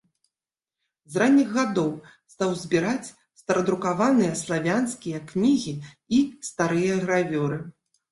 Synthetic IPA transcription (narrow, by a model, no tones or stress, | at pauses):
zranʲːiɣːad̪ɔwst̪awzʲbʲiɾat͡sʲ | st̪ɐɾɐd̪ɾukavanɨjɐslˠavʲanskʲijɐknʲiɣʲi | ist̪aɾɨjɐɣɾavʲɔɾɨ